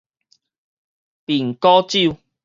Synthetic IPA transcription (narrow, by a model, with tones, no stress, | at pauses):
pi˨˩ŋkɔ˦t͡ɕi˥˨w